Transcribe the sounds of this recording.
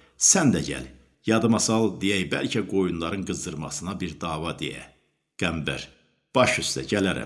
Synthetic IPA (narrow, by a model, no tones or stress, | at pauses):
sænd̪æɟæ̰l | jɑd̪ɯmɑsɑlˠd̪ijæjbælcʰæɡo̞junlˠɑɾɯnɡɯzd̪ɯɾmɑ̰sɯnɑbiɾd̪ɑːvɑd̪ḛjæ̰ | ɡ̥æmbæɾ | b̥ɑʃyst̪æ̰ɟælæɾæ̰m